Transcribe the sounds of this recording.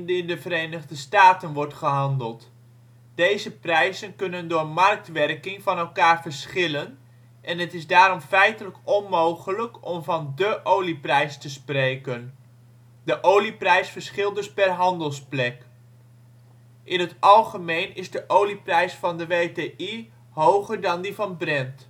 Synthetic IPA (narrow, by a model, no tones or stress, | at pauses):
ndɪndəvəɾejnəʁdəstaːtənʋɔɹtχəɦɑndəlˠt | d̥ejzəprɛjzənkɵnəndʊːɹmɑrk̚tʋɛrkɪŋvɑnɛlˠkaːɹvəɹsχɪlən | ʔɛnɦətɪzdaːɾɔmfɛjtələkɔnmowχələkɔmvɑndəʔowliprɛjstəsprejkən | dəʔowliprɛjsfəɹsχɪlˠdɵspɛrɦɑndəlˠsplɛk | ʔɪnətɑlˠχəmejnɪzdəʔowliprɛjsfɑndəʋejteʔi | howχəɹdɑndivɑnbrɛnt